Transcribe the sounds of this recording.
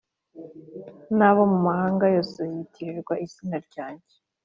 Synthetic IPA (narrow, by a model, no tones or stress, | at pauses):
naβomumahaːŋɡajo̞ːsojitʰiɾiɾɡwaʔisinaɾɟaːɲɟe